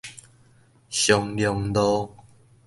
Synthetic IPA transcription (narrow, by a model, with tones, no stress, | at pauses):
ɕjɔ˧ŋljɔ˧ŋd̪ɔ˦